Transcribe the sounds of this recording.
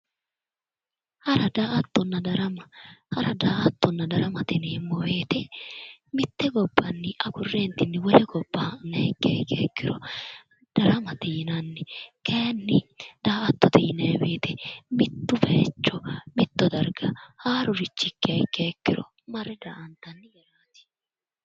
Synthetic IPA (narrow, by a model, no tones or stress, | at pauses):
hɐɾɐd̪aːʔɐt̪ːɔnːɐd̪ɐɾɐmɐhɐɾɐd̪aːʔɐt̪ːɔnːɐd̪ɐɾɐmɐt̪ɪneːmːɔweːt̪ɛ | mɪt̪ːɛɡɔbːɐnːɪʔɐkʊrːeːnt̪ɪnːɪwɔlɛɡɔbːɐnːɐɛkːɛkːekːɪɾɔ | d̪̥ɐɾɐmɐt̪iːnɐnːɪkʰeːnːɪd̪̥aːʔɐt̪ːɔt̪iːnɐbeːt̪ɛmɪt̪ːʊbeːt͡ʃːɔmɪt̪ːɔd̪ɐɾɡɐhaːɾʊɾɪt͡ʃːɪkːɛkːekːɪɾɔ̰ | mɐɾːɛd̪aːʔɐnt̪ɐnːɪjɛɾaːt̪ɪ̥